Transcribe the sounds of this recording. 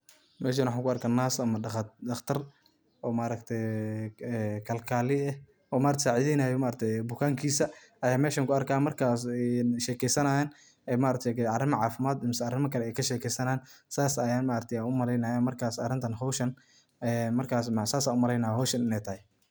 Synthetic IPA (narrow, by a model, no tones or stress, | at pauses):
mɛːʃ̬aːnwħaːŋkʰʊɐrkʰɐnaːsɐmɐdɐxt̪ʰɐr | ʔɔːmaɾɐkt̪ʰɛjɛkʰɐlkʰaːlɪɛh | ɔːmaːɾɐt̪sɛʕɪðɛnaːjɔmaːɾɐk̚t̪ʰɛjbʊkʰaːŋkʰiːsɐ | ɐjaːmɛːʃɐŋkʰʊɐrkʰaːmɐrkʰaːsɛʃɛːkʰɛjsɐnajaːn | ɛjmaːɾɐk̚t̪ʰɛjkɐrɪmɐʕɑːfɪmaːd̪ɪmɪsɐɐrɪmɐkʰɐlɛɛjkʰɐʃɛːkʰɛjsɐnaːnsaːsɐjaːnmaːɾɐk̚t̪ʰɛjanʊmɐlɛjnajaːmɐrkʰaːsɐ̰rɪnt̪ʰɐnɦɔwʃɐn | ɛmɐrkʰaːsmsaːsaːnʊmɐɾɛjnaːjɦɔːwʃɐnɪnɛjt̪ʰɐhɪ